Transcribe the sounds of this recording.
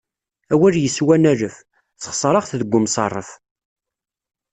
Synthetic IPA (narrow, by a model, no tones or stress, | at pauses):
æwæɾjəswænæɾəf | θχsˤɾˤɑʁθðəɡʷːʊmsˤɑ̰rˤːəf